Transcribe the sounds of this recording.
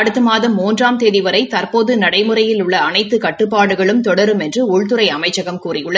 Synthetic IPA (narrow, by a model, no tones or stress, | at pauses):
ɐɽɯt̪ːɯmaːðɐmːuːndraːmt̪eːðɪʋɐɾɐɪt̪ɐrpoːðɯnɐɽɐɪmɯrɐjɪlʊɭːɐɐnɐɪt̪ːɯkɐʈːɯpːaːɽɯɣɐɭɯmt̪ɔɽɐɾɯmɛndrɯʊɭt̪ɯɾɐɪɐmɐɪt͡ʃːɐɣɐmkuːrɪjɯɭːɐ